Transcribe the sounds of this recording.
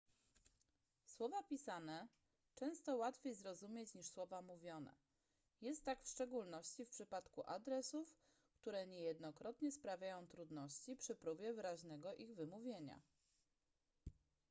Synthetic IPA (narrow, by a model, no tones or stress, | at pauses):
swɔvapʲisanɛ | t͡ʂɛ̃w̃st̪ɔwat̪fʲjejzɾɔzumʲjet͡ɕɲiʂswɔvamuvʲjɔnɛ̰ | jɛst̪ːakfʂt͡ʂɛɡulnɔɕt͡ɕifpʂɘpat̪kuʔad̪ɾɛsuf | kt̪uɾɛɲɛjɛd̪nɔkɾɔt̪ɲɛspɾavʲjajɔ̃w̃t̪ɾud̪nɔɕt͡ɕipʂɘpɾuvʲjɛvɘɾaʑnɛɡɔʔiɣvɘmuvʲjeɲa̰